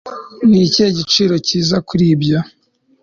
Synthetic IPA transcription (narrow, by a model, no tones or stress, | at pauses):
niceːɟit͡ʃiːɾo̞ciːzakuɾiːbɟa